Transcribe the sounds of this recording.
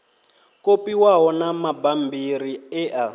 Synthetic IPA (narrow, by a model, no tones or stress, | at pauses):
kopiwaɦɔnamabambiɾiɛʔa